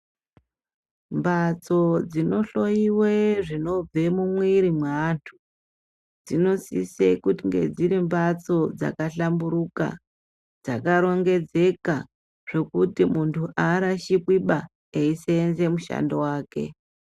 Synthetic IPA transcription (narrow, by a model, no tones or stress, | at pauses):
mbat͡so̞d͡zino̞ɬo̞iweʐino̞b͡ve̞mumwiɾimweantʰu̥ | d͡zino̞sḭsekutiŋɡe̞̰d͡ziɾimbat͡so̞d͡za̰kaɬambuɾuka̰ | d͡zakaɾo̞ŋɡe̞d͡ze̞ka | ʐ̥e̞kutimuntʰuʔaɾaʃikwiɓa | eiseːnze̞muʃa̰ndo̞waːke̞̰